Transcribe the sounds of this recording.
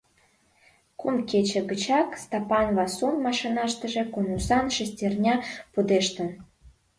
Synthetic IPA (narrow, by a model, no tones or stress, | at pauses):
kumket͡ɕĕɡə̆t͡ɕɑkst̪ɑpɑnβɑsunmɑʃinɑʃt̪ə̆ʒĕkunusɑnʃesʲtʲernʲɑpud̪eʃt̪ə̆n